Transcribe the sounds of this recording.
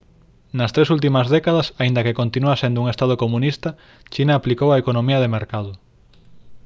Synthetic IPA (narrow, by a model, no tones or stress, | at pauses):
nɐst̪ɾesult̪̬imɐzðɛkað̞ɐsaind̪ɐkekont̪inuasend̪ʊuŋest̪að̞okomũnist̪ɐ | t͡ʃinaːplikowaekonomiɐðemeɾkaðʊ